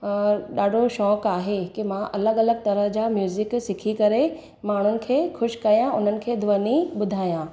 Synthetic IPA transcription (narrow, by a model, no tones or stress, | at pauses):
ɗaːɖʱoʃɔːkaːɦekimãʔɐləɡɐləɡ̚t̪ɐɾəɦd͡ʑaːmjuːzɪksɪkʰikɐɾe | maːɳ̤ʊnɪ̆kʰeːxʊʃkɐijãʊn̤ənɪ̆kʰeːd̪ʱʊʋəniɓʊd̪ʱaːjãː